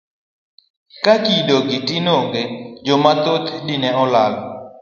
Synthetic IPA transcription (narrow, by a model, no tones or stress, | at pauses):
kakidoɡitinoŋɡed͡ʒomat̪ot̪ʰdinɛɔlal